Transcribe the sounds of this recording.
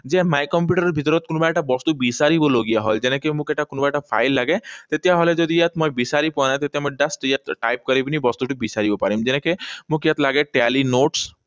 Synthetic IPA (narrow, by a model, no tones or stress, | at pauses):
d͡ʒemajkɔmpjuʈəɾɔɾbʱit̪ɔɾɔt̪̚kunubaʈabɔst̪ubisaɾiboloɡijaɦɔ̰ld͡ʒenekemũkeʈakunubaʈapʰa̰jlːaɡet̪et̪ijaɦɔled͡ʒɔd̪ijat̪mɔ̃jbisaɾipɔnat̪et̪jamɔɖasʈjat̪ʈajp̚kɔɾibinibɔst̪uʈibisaɾibopaɾimd͡ʒɛnẽkemũkjat̪laɡeʈealinoʈs